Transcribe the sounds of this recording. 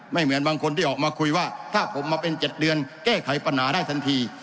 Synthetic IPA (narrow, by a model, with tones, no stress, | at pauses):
ma˥˩jmɯ˩˦ənbaː˧ŋkʰo˧nt̪ʰiː˥˩ʔɔː˨˩k̚maː˧kʰu˧jwaː˥˩t̪ʰaː˥˩pʰo˩˦mːaː˧pe˧nt͡ɕe˨˩t̪̚dɯ˧ənkɛː˥˩kʰa˨˩˦jpɾa˧nhaː˩˦daː˥˩jt̪ʰa˧nt̪ʰiː˧